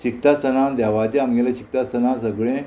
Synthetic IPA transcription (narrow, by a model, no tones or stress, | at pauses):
t͡ɕik̚t̪ast̪ənãd̪ɛʋat͡ɕeamɡelat͡ɕik̚t̪ast̪ənãsəɡɭẽ